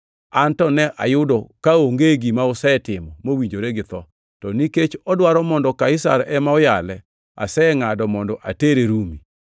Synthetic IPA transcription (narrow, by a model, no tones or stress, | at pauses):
antɔnɛʔa̰jʊdɔkaoŋɡeɡimaʊsɛtɪmɔmowiɲd͡ʒoɾeɡɪt̪ɔ | tɔniket͡ʃɔdwaɾɔmɔndɔkaɪsa̰ɾʔɛmaɔjalɛ | a̰sɛŋadɔmɔndɔʔa̰teɾeɾumi